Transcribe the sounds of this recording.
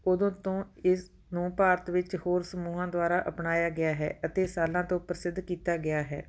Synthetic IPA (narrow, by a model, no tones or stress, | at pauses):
ʊd̪õːt̪õːɪs | nũːpaːɾət̪ʋɪt͡ʃhoːɾsəmuːɦãːd̪ʊaːɾaːʔəpnaːjaːɡɪaːɦɛ̰ːʔət̪eːsaːlãːt̪õːpɾəsɪd̪ʱkiːt̪aːɡɪaːɦɛ̰ː